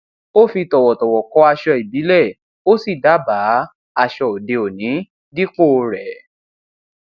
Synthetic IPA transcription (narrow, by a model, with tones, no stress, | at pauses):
o˦fi˧tɔ˨wɔ˨tɔ˨wɔ˨kɔ˧˦a˧ʃɔ˧i˨bi˨˦lɛ˦˨ | o˦si˦˨da˨˦ba˨˦ | a˧ʃɔ˧˨o˨de˧o˨nĩ˨˦ | di˦k͡po˦˧ɾɛ˨